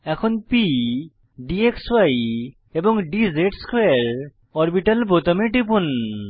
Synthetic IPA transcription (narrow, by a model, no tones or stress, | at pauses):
ɛkʰunpi | ɖiekswaj | ebɔŋɖizeʈskwaɾ | ɔɾbiʈalpot̪ameʈipun